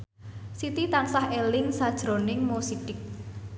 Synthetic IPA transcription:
sit̪it̪ansahelɪŋsad̥ʒ̥ɾo̤nɪŋmosiʈɪk̚

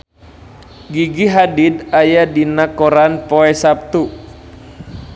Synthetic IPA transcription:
ɡiɡiɦadidajadinakɔɾanpɔɛsap̚t̪u

